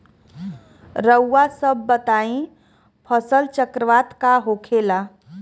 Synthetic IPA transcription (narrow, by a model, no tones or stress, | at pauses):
ɾəwːasəbːət̪aĩ | pʰəsəlt͡ʃəkɾəʋat̪kaɦokʰela